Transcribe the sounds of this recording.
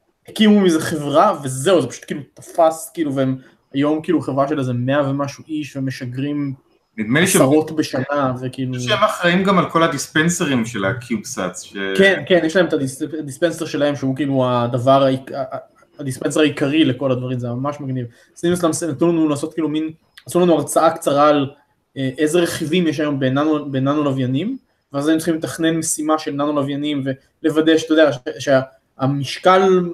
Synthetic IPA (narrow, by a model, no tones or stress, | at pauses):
hekimumizeχe̞vʁave̞ze̞uzepaʃu̥t̪kiːlutḁfaskiːluveem | ajo̞mkiːluaχe̞vʁaʃelazeme̞ave̞maʃuʔiʃveme̞ʃaɡʁim | midmeʃaʁo̞tbe̞ʃanavekiiluʃemaχʁaimɡamalko̞lad̪ispenseʁimʃela̰kʰjubsa̰tsʃekenkenjeʃlaemet̪ad̪isad̪ispe̞nse̞ʁʃe̞lahe̞mʃehukiːluad̪avaʁaikaː | d̪ispens̬eʁaikaʁile̞ko̞lad̪vaʁimzemamaʃmaɡniv | snimaslamsnat̪nulanulaːso̞t̪kiːlumin | asulanuaʁt͡saakt͡saʁal | eʔe̞zeʁe̞χivimjeʃ̬ajo̞mbenanubenanulavjanim | veazajemt͡se̥χimlet̪aχne̞nme̞simaʃe̞lnanulavjanimve | le̞vade̞ʃt̪ojodeaʃeʃea | amiʃkal